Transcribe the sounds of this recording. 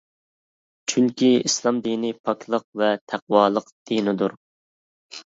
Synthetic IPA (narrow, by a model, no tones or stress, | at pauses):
t͡ʃʰyŋkʲʰiislˠɑmd̪inipʰɑkʲʰlˠəq̚vɛt̪ʰæq̚wɑːlˠəqd̪̥inɪd̪uɾ